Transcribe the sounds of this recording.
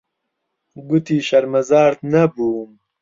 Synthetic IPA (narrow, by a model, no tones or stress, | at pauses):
ɡut̪iːɕɐɾmɐzaːɾt̪nɐbuːm